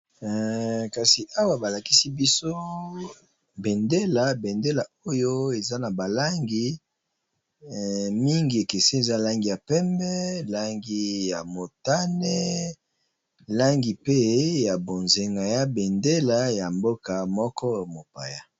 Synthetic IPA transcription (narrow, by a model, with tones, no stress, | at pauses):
ka˨si˨ʔa˦wa˦ba˨la˨ki˦si˦bi˦so˦ | bɛ˨nde˦la˨˦be˨nde˦la˨o˦jo˦e˨za˦na˨ba˨la˦ŋɡi˦ | mi˦ŋɡi˨e˨ke˨se˦e˨za˦la˦ŋɡi˨ja˨pɛ˦mbɛ˦la˦ŋɡi˦ja˨mo˨ta˦nɛ˦ | la˦ŋɡi˨pe˦ja˨bo˨nze˨ŋɡa˨ja˦be˨nde˦la˦ja˨mbo˦ka˨mɔ˦kɔ˦mo˨pa̰˨ja˦